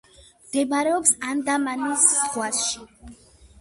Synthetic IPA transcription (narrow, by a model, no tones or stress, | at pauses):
md̪̥ɛbaɾɛɔpsand̪amanisːɡwasʃi